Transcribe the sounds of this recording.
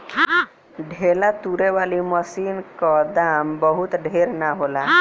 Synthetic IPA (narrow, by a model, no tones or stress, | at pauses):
ɖʱelat̪uɾebʱaliməsinkɔd̪ambɔɦut̪ɖʱeɾnaɦola